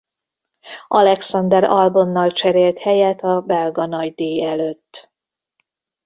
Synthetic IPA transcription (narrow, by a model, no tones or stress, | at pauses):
ʔɒlɛksɒnd̪ɛɾɒlbonːɒlt͡ʃɛɾeːlt̪hɛjɛt̪ɒbɛlɡɒnɒɟd̪eːɛløt̪ː